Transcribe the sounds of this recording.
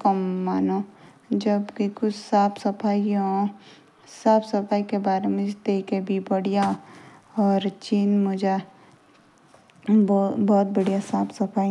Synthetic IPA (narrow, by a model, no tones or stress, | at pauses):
kɐmːaːnõ | d͡ʒɐbkikʊt͡ʃʰsaːpʰsɐpʰaːiõ | saːpʰsɐpʰaːikebaːɾemẽd͡ʒt̪eːkebʱibɐɽija | ɔːɾt͡ʃiːnmʊd͡ʒa | bɔːt̪̚bɐɽijasaːpʰsɐpʰaːi